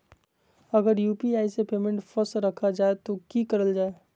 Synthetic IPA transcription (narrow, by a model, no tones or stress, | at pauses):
ɐɡəɾjuːpiaːisepeːmẽɳʈfəsɾəkʰad͡ʒaːet̪okikəɾəld͡ʒaːe